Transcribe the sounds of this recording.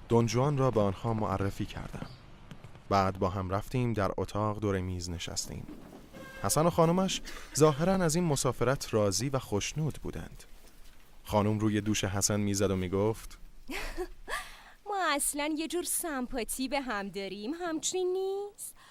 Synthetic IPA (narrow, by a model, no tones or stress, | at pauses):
d̪̥ond͡ʒuɒːnrɒːbeɒnhɒːmoʔæ̰rːefiːcʰæ̰ɾd̪æ̰m | b̥æːd̪̚bɒːɦæmɾæft̪iːmd̪æɾot̪ʰɒːʁd̪oːɾemiːzne̞ʃæ̰st̪ʰḭːm | hæsæno̞xɒːnomæʃzɒːɦe̞ɾænæziːnmo̞sɒːfe̞ɾæt̪ʰrɒːziːvæxoʃnuːd̪bṵːd̪æ̰nd̪̥ | xɒːnumɾuːje̞d̪uːʃe̞ɦæsænmiːzæd̪omiːɡoːft̪ | mɒːæslænjed͡ʒuːɾsæmpʰɒt̪ʰiːbeɦæmd̪ɒːɾiːmɦæmt͡ʃinːis